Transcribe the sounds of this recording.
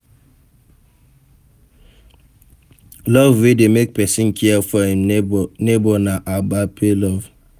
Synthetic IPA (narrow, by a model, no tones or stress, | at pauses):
lɔvwedemek̚pɛsĩnkʰiɛfɔhimnebɔnaʔabapʰelɔv